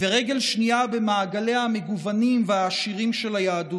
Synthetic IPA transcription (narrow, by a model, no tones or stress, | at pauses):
veʁeɡe̞lʃniabe̞maːɡale̞hame̞ɡuvanimveaːʃiʁimʃe̞lajaːdu